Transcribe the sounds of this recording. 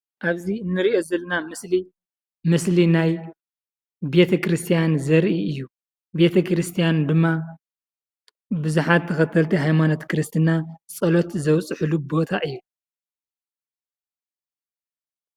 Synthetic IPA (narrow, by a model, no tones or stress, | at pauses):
ʔaβziɨnːɨɾiʔo̞zɐlɐnamɨsli | mɨslinaj | be̞t̪ʰɐkɾɨst̪ʰijanzɐɾʔiɨjːu | be̞t̪ʰɐkɾɨst̪ʰijand̪ɨmːa | bɨzuħat̪ʰːɐxɐt̪ʰːɐlt̪ʰiɦajmano̞t̪kʰɾɨst̪ʰɨnat͡sʼɐlo̞t̪zɐwt͡sʼɨħɨlubo̞t̪ʰaʔɨjːu